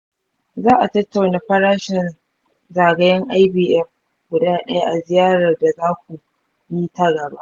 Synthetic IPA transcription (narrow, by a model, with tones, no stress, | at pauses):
zaː˦ʔa˨tɐ˦tːa˨wnaː˨ɸɐ˦ɾaː˦ʃɛ˨n | zaː˨ɡɐ˦jɐ˦ŋʔa˦jbiː˨ʔɛ˦ɸ | ɡ̥ʷʊ˨daː˦ɗɐ˦ja˦ʔa˨zɪ˨jaː˦ɾɐ˨rda˨zaː˦kʷu˨ | ji˦tɐ˦ɡɐ˨ba˦ʔʔ